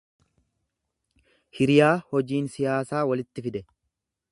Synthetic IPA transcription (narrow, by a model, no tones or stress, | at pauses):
hɪɾɪjaːhɔd͡ʒiːnsɪjaːsaːwɐlɪt̪ːɪfɪd̪ɛ